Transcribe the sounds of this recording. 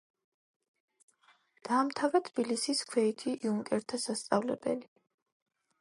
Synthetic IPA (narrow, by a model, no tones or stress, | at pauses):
d̪̥aːmt̪ʰavɾɛt̪ʰb̥ilisiskʰwɛit̪ʰiʔiuŋkʼɛɾt̪ʰasast̪sʼavlɛbɛ̰li